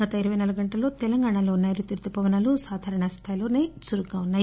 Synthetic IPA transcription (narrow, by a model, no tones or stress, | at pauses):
ɡɐt̪ɐiɾɐʋɐjnalɐɡɐɳʈɐlo̞ːt̪ɛlɐŋɡaːɳalo̞ːnːaːjɾut̪iɾt̪upɐʋɐnaːlusaːd̪ʱaːɾɐɳɐst̪ʰaːjlo̞ːneːsuɾuɡaːunːaː